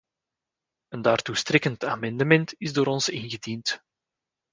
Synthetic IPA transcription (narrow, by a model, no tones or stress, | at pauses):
əndaːrtustrɪkəntaːmɛndəmɛntɪzdoːɾɔnsɪnɣədint